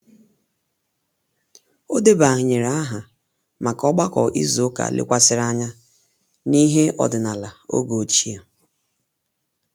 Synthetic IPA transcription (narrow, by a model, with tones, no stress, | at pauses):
o˦de˦ba˨ɦɪ˨ɲe˨ɾa˨˦a˦ɦa˨ | ma˨kɔ˦ɡ͡ba˦kɔ̰˨ʔḭ˦zo˨˦ka̰˨lɪ̰˦kʷa˦sɪ˦ɾa˦ɲa˦ | ni˦ɦe˦ʔɔ̰˨dɪ˨na˨la˨o̰˦ɡo˨t͡ʃi˦a˨